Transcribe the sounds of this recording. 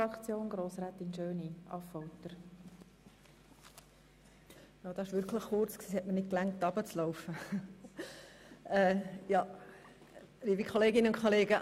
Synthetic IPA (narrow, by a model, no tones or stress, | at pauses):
ɑkt͡sjoːnɡɾoːsɾaːt̪inʃøːniʔɑfɔwtəɾ | jɑːd̥̪ɑɪʃʋɪɾkʰləχːʊrt͡sksiːhɛtmənɪt̚klæŋtːɑb̥ət͡slɔʊfə | ɛːjɑ | ɾiːbikʰχoleːɡɪnəʊnkʰoleːɡə